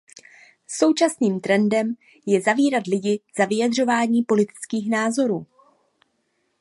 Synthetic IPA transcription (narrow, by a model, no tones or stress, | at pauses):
so̞wt͡ʃasniːmt̪ɾɛndɛm | jɛzaviːɾat̪lɪɟɪz̥avɪjad̪r̝o̞vaːɲiːpo̞lɪt̪ɪ̥t͡skiːxnaːzo̞ɾuː